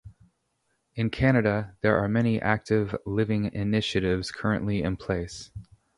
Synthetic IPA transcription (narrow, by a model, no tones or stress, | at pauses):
ɨ̃nkʰæñɨɾɨðə˞ʔəmɛñiʔæk̚tɪvlɪvɪ̃ŋɪnɪʃɨɾɪvz̥kʰɜ˞ɨ̰̃nʔliɨ̃npʰl̥eɪs